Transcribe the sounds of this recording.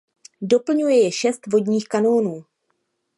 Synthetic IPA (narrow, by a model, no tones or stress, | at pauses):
do̞pl̩ɲujɛjɛʃɛst̪vo̞dɲiːxkano̞ːnuː